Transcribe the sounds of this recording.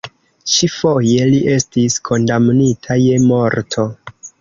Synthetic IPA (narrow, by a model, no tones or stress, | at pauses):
t͡ʃifo̞je̞liʔe̞stiskʰo̞ndamnitʰaje̞mo̞ɾtʰo̞